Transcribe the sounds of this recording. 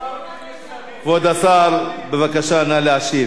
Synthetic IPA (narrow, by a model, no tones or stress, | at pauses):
kvod̪asaɾbevakaʃanaleaʃi